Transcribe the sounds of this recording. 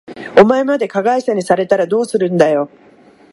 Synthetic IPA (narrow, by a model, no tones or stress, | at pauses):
o̞mae̞mad̪e̞kaɡaisaɲ̟isaɾe̞t̪aɾad̪o̞ːsɨɾɯ̟̃nd̪ajo̞